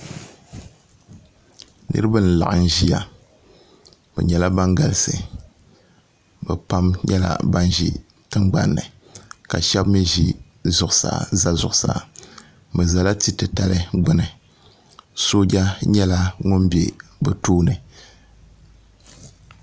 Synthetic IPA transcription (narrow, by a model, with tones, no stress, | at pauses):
nɨ̰˦ɾɨ˦ba˦˨n̩˨la̰˨ʔɨ˨n˨ʒi˦ja˨ | bɛ̰˨ɲɛ˨la˦ba˦ŋɡa˨lɨ˨sɨ˨ | bɛ̰˨pa˦mɲɛ̰˦la̰˦ba˦nʒḭ˦ | tɨ˦mɡ͡ba˦nːɨ˨ | ka˨ʃɛ˦bmi˦ʒi˦ | zʊ˨ʔʊ˨sa̰˨za˦zʊ˨ʔʊ˨sa̰˨ | mɨ˨za˨la˦ti˦tɨ˨ta˨lɨ˦ɡ͡bʊ˦nɨ˨ | soː˦d͡ʒa˦ɲɛ˦la˦ŋʊ˦mbḛ˨bɨ˨toː˦nɨ˨